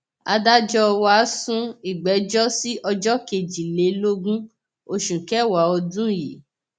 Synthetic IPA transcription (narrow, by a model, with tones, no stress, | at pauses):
a˧da˦d͡ʒɔ˧wa˦sũ˦i˦˨ɡ͡bɛ˨˦d͡ʒɔ˦si˦ʔɔ˧d͡ʒɔ˦ke˨d͡ʒi˨le˨˦lo˦ɡũ˦ | o˧ʃũ˨kɛ˦˨wa˨ɔ˧dũ˦jḭ˨